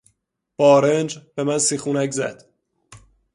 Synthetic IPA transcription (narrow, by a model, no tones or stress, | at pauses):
b̥ɒːɾend͡ʒbemænsiːxuːnækzæd̪̥